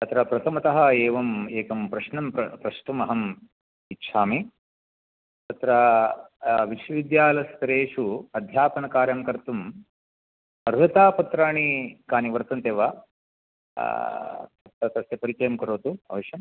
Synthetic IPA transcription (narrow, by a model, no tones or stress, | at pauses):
t̪ɐt̪ɾɐpɾɐt̪ʰɐmɐt̪ɐɦɐeːʋɐmeːkɐmpɾɐʃnɐmpɐpɾɐʂʈumɐɦɐm | itːʃʰaːmi | t̪ɐt̪ɾɐ | ʋiʃʋɐʋid̪jaːlɐst̪ɐɾeːʂuɐd̪ʱjaːpɐnɐkaːɾjɐmkɐɾt̪um | ɐɾɡɐt̪aːpɐt̪ɾaːɳikaːniʋɐɾt̪ɐnt̪eːʋaː | t̪ɐɐt̪ɐsjɐpɐɾit͡ʃɐjɐmkɐɾoːt̪uɐ̰ʋɐʃjɐm